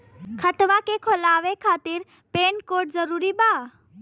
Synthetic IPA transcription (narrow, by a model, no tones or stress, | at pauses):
kʰɐt̪ʋakekʰolaːʋekʰaːt̪ɪɾ | peːnkoːɾʈzəɾuːɾibaː